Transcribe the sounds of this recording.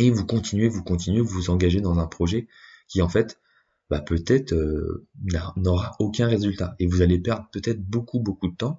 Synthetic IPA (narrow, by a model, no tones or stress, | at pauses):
evukɔ̃t̪inɥevukɔ̃t̪inɥevuzɑ̃ɡaʒed̪ɑ̃zɛ̃pχɔʒɛkʲiɑ̃fɛt̪ | bapøt̪ɛt̪χønanɔʁaokʲɛ̃ʁezylt̪aevuzalepɛʁd̪ʁpøt̪ɛt̪χbokubokud̪ət̪ɑ̃